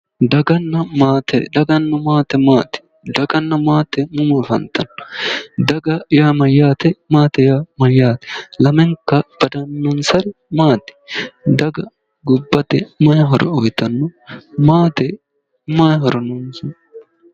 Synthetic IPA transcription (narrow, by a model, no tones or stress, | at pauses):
d̪ɐɡɐnːɐmaːt̪ɛ̰d̪ɐɡɐnːɐmaːt̪ɛmaːt̪ɪ̥ | d̪ɐɡɐnːɐmaːt̪ɛmʊmufɐ̰nt̪ɐnːɔ̥d̪ɐɡɐjaːmɐjːaːt̪ɛmaːt̪ɛjaːmɐjːaːt̪ɛ̥lɐmɛŋkːɐb̥ɐd̪ɐnːɔnsɐɾɪmaːt̪ɪ̥d̪ɐɡɐ | ɡʊbːɐt̪ɛmɐjɐɦɔɾɔ̰ɔjt̪ːɐnːɔmaːt̪ɛ | majɦɔɾɔnʊnsʊn